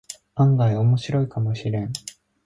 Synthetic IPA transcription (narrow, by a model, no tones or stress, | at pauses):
ãŋɡaio̞mo̞ɕiɾo̞ikamo̞ɕiɾẽ̞ɴ